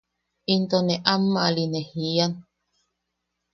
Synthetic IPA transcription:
int̪oneʔamːalinehian

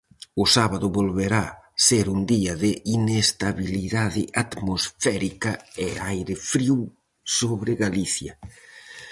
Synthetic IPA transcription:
ʊsaβaðʊβolβeɾaseɾund̪iɐðɪinest̪aβiliðaðɪʔat̪mosfɛɾikɐeajɾɪfɾiw | soβɾɪɣaliθjɐ̰

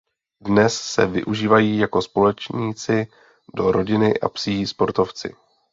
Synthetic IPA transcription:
dnɛsːɛ̰vɪ̰ʔuʒiːvajiːjako̞spo̞lɛt͡ʃɲiːt͡sɪ | do̞ɾo̞ɟɪnɪʔa̰psispo̞ɾt̪o̞ft͡sɪ̰

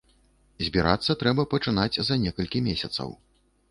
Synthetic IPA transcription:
zʲbʲiɾa̰t̪sːɐt̪ɾɛbɐpɐt͡ʂɨnad͡zʲzɐnʲɛkɐlʲkʲimʲesʲɐt̪sɐ̰w

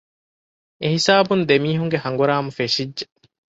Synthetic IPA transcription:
eɦisaːbund̪emiːɦuŋɡeɦɐŋɡuɾaːmɐfeʃidʒe

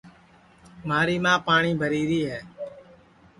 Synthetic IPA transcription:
maːɾiːmãːpaːɳiːbʱəɾiːɾiːɦɛː

